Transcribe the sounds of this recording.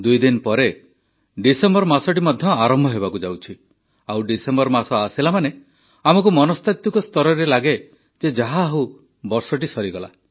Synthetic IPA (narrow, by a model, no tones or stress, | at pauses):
d̪ujd̪inpɔɾe | ɖisembɔɾmasɔʈ̬imɔd̪ʱjɔaɾɔmbʱɔɦebakud͡ʒawt͡ʃʰi | awɖisembɔɾmasɔasilamane | amɔkumɔnɔst̪at̪ukɔst̪ɔɾɔɾelaɡe | d͡ʒed͡ʒaɦaːɦu | bɔɾsɔʈisɔɾiɡɔla̰